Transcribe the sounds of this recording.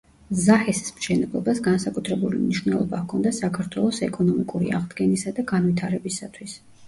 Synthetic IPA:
zahɛsi̥smʃɛnɛblˠɔ̰basɡansakʼut̪ʰɾɛbulḭmniʃwnɛlˠɔ̰bakʰɔnd̪asakʰaɾt̪ʰwɛlˠɔsɛkʼɔnɔmikʼuɾḭa̰ʁd̪ɡɛnisad̪aɡanvit̪ʰaɾɛbisat̪ʰwis

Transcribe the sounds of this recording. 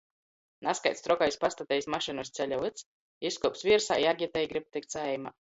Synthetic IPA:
naskajt̪st̪ɾɔkajspast̪at̪ʲɛjsmaʃɨnɔst̪sʲɛlʲavɨt̪s | iskuɔpsvʲiɛɾsa̰ːjaɡʲiɛt̪ɛjɡɾip̚t̪ɨk̚t̪sɛjma̰

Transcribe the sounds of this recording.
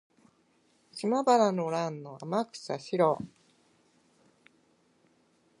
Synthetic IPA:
ɕimabaɾanoɾãnːoa̰makɯ̟̥saɕiɾo

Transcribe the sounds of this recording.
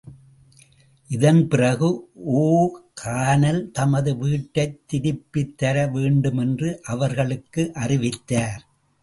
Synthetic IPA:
ʔɪðɐnpɪrɐɣɯoːkʰaːnɐlt̪ɐmɐðɯʋiːʈːɐɪt̪ːɪɽɪpːɪt̪ːɐɾɐʋeːɳɖɯmɛndrɯʔɐʋɐɾɣɐɭɯkːɯʔɐrɪʋɪt̪ːaːɾ

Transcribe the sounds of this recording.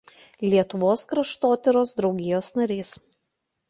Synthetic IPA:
lʲiɛt̪ʊʋoːskɾɐʃt̪oːt̪ʲɪɾoːsd̪ɾɒʊɡʲɪjoːsnɐɾʲiːs

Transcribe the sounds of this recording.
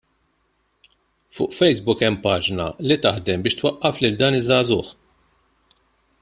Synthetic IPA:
fʊ̰ːʔfɛjsbʊkɛmːpɐːd͡ʒnɐ̰lit̪ɐħd̪ɛmbɪːʃt̪wɐʔːɐflɪld̪ɐːnɪzːɐːzʊːħ

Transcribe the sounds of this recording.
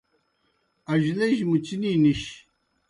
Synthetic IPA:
ɐʑleʑmut͡ɕiniːniɕ

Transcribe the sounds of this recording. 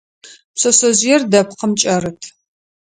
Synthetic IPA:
psɐsɐʑjɛrdɐpqəmt͡ʃʼɐrɨtʰ

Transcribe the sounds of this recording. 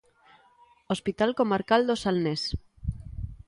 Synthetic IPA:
ospit̪alkomaɾkald̪osalnes

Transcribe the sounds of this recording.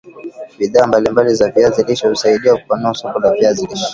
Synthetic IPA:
ɓiðaːmbalimbalizaviaziliʃɔhusaiɗiwaku̥panuasɔkɔlaviaziliʃɔ̥

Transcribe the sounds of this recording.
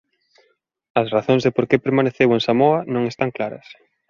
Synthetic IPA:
ɐsraθoŋzðɪpoɾkepeɾmaneθewẽnsamoɐnõŋest̪aŋklaɾɐ̰s

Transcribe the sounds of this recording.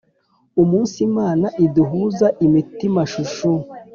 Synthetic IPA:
umuːnsimaːnaʔiduɦuːzaʔimitimaʃuʃu

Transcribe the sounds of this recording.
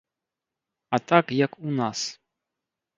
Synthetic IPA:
at̪akjakunas

